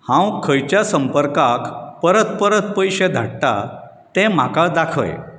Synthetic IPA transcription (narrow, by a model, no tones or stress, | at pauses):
hãwkʰəjt͡ɕjasəmpəɾkakpəɾət̪pəɾət̪pəjɕed̪ʱa̰ɽʈa̰ | t̪ɛ̃m̤akad̪akʰə̰j